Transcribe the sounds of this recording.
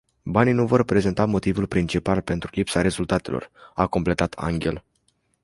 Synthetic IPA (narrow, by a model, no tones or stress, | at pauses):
banijnuvo̞rpɾe̞ze̞nt̪amo̞t̪ivulpɾint͡ʃipalpe̞nt̪ɾulipsaɾe̞zult̪at̪e̞̰lo̞̰rako̞mple̞t̪at̪ʰa̰ŋɡʲe̞̰l